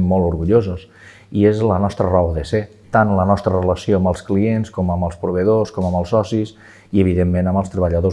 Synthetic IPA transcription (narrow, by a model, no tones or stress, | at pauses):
mːɔlˠuɾɣuʎozos | iezlənɔst̪ɾərɔwðəse | t̪anlənɔst̪ɾərələsioəməlˠsklienskɔməməlˠspɾuβ̞əðoskɔməməlˠsɔsis | iəβ̞iðemːẽnəməlˠst̪ɾəβəʎəðo